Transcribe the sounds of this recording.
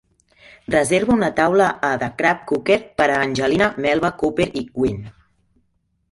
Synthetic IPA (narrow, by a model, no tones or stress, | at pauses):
rəzeɾβuunət̪awləʔːðəkɾap̚kukeɾpəɾəːnʲʒəlinəmɛlˠβəkupeɾikwin